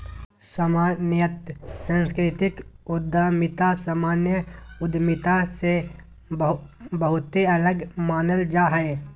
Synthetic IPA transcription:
səmaːnjət̪sãːskɾɪt̪ɪkʊd̪ʱamɪt̪asəmaːnjəʊd̪mɪt̪ase | bbəɦʊt̪eɐləɡmaːnəld͡ʒaːɦɛe

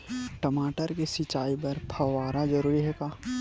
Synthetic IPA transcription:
ʈɐmaːʈəɾkesɪt͡ʃaːipɐɾpʰɐaːɾazɐɾuːɾiɦɛːkaː

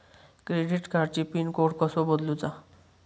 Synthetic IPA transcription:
kɾeɖiʈkaɾt͡ɕipinkoʈkɔsobɔd̪lut͡sa

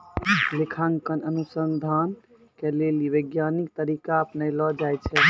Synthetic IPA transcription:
likʰaŋkənənusənd̪ʱan | keleliʋəɡjanik̚t̪əɾikaəpnəjlɔd͡ʒajt͡ʃʰɛ

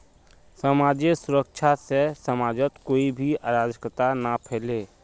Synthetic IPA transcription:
səmaːd͡ʒesʊɾəkʃʰasesəmaːd͡ʒət̪koːibʱiaːɾaːd͡ʒ̪əkɾət̪anapʰɛːleː

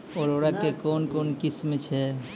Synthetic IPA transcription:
oɾoɾakekonkonkismet͡ʃʰe

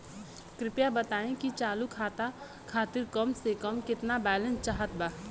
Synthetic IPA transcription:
kɾɪpjabət̪aːẽkit͡ʃaːlukʰaːt̪a | kʰaːt̪ɪɾkəmsekəmkɪt̪nabɛːlə̃nst͡ʃaːɦət̪̚baː

